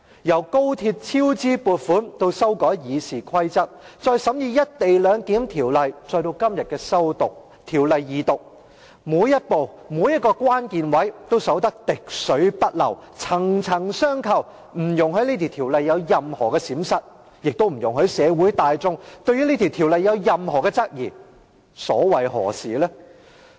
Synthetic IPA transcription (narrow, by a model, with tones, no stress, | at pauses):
jɐ˨˩wko˥wt̪ʰiː˧t̚t͡sʰiː˥wt͡siː˥puː˨˧t̚fuː˨˥nt̪o˥wsɐ˥wkɔː˨˥jjiː˨˧siː˨˩kʰɐ˥jt͡sɐ˥k̚t͡sɔː˧jsɐ˨˥mjiː˧jɐ˥t̚t̪e˨jlœː˨˧ŋkiː˨˥mt̪ʰiː˨˩wlɐ˨jt͡sɔː˧jt̪o˧wkɐ˥mjɐ˨t̚kɛː˧sɐ˥wt̪ʊ˨k̚ | t̪ʰiː˨˩wlɐ˨jːiː˨˧t̪ʊ˨˩k̚ | muː˨˧jːɐ˥t̚po˨w | muː˨˧˥jɐ˥t̚kːɔː˧kʷwaː˥nkiː˨nwɐ˨˥jt̪o˥wsɐ˨˥wt̪ɐ˥k̚t̪ɪ˨k̚sɵ˨˥ɥpɐ˥t̚lɐ˨˩wt͡sʰɐ˨˩ŋt͡sʰɐ˨˩ŋsœː˥ŋkʰɐ˨˩w | m̩˨˩jʊ˨ŋhɵ˨˥le˧t̪ʰi˨˩wt̪ʰiː˨˩wlɐ˨jːɐ˨˧wjɐ˨mhɔː˨˩kɛː˧siː˨˥msɐ˨t̚ | jɪ˨k̚t̪o˥wm̩˨˩jʊ˨˩ŋhɵ˨˥ɥsɛː˨˧wu˨˥jt̪aː˨˧jt͡sʊ˥ŋt̪ɵ˧ɥjy˥le˧t̪ʰi˨˩wt̪ʰi˨˩wlɐ˨jːɐ˨˧wjɐ˨mɦɔː˨˩kɛː˧t͡sɐ˥k̚jiː˨˩ | sɔ̰ː˨˥wɐ˨jɦɔ̰ː˨˩siː˨lɛː˥